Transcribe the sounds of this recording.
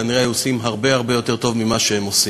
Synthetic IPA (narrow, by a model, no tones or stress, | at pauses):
aniʁeajuosimɦaʁbe̞aʁbe̞jo̞t̪e̞ʁt̪o̞vmimaʃehemosi